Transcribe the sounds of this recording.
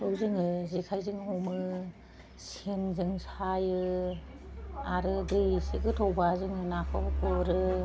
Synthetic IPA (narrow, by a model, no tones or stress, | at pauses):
owzɯŋɯzikʰajzɯŋɦɔmɯ | senzɯŋsajɯ | aɾɯdɯjsiɡɯtʰɔwbazɯŋɯnakʰɔbkɔɾɯ